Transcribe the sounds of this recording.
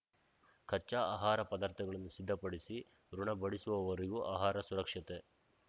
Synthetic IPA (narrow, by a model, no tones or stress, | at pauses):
kʰɐt͡ʃːaːaːɦaːɾɐpɐd̪aːɾt̪ʰɐɡɐɭɐnːusid̪ʱːɐpɐɽisi | ɾuɳɐbɐɽisuʋɐʋɐɾiɡuʔaːɦaːɾɐsuɾɐkʂɐt̪e